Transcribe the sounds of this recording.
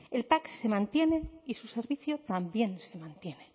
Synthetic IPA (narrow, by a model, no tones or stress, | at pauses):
e̞lpakse̞mãnt̪je̞ne̞isuse̞ɾβiθjot̪ambje̞nse̞mãnt̪je̞ne̞